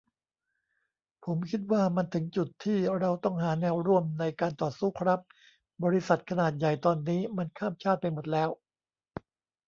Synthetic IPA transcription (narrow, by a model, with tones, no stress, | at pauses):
pʰo˩˦mkʰi˦˥t̪̚waː˥˩ma˧nt̪ʰɯ˩˦ŋt͡ɕu˨˩t̪ʰːiː˥˩ɾa˧wt̪ɔ˥˩ŋɦaː˩˦nɛː˧wɾu˥˩əmna˧jkaː˧nt̪ɔː˨˩suː˥˩kʰɾa˦˥p̚ | bɔː˧ɾi˦˥sa˨˩t̪̚kʰa˧naː˨˩t̪̚ja˨˩jt̪ɔː˧nːiː˦˥ma˧nkʰaː˥˩mt͡ɕʰaː˥˩t̪̚pa˧jmo˨˩t̪̚lɛː˦˥w